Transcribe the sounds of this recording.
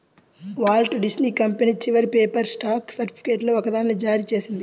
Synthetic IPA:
ʋaːlʈɖisniːkɐmpeniːt͡ʃiʋɐɾpeːpɐɾsʈaːksɐɾʈipi̥keːʈloːɔkɐd̪aːnlɐd͡ʒaːɾiːt͡ʃeːsind̪i

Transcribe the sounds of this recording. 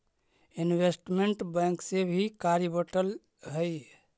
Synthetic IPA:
inbesʈmeɳʈbɛ̃ŋksebʱikaɾibəʈəl | ɦəj

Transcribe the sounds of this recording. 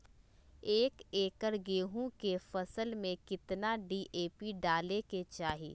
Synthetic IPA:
eːkeːkəɾɡeːɦũkefɐsəlmẽkɪt̪naɖiːʔeːpiɖaːleket͡ʃaːɦḭː

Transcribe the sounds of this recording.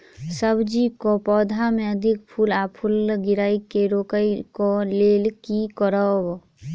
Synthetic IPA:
səbd͡ʒikopɔːd̪ʱamẽəd̪ʱɪkpʰuːlaːpʰʊlɡɪɾaːikeɾoːkəjkoleːlkikɔɾəw

